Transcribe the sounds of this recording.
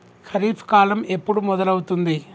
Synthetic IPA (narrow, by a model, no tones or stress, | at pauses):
xɐɾiːfkaːlɐmepːuɽumːɔðɐlɐʋut̪und̪i